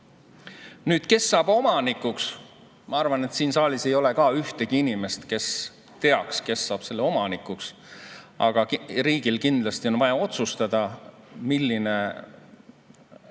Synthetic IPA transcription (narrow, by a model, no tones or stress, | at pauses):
nyːd̪̥ke̞sːɑːb̥o̞mɑnikːˑuks | mɑɑrvɑne̞t̪siːnsɑːlise̞jo̞le̞kɑyht̪e̞ɡ̥iinime̞st̪ke̞s | t̪e̞ɑkske̞sːɑːb̥se̞lːeo̞mɑnikːˑuks | ɑ̰ɡ̥ɑriːɡ̥ilkind̪lɑst̪io̞nvɑjɑo̞t̪sust̪ɑd̪̥ɑmilːine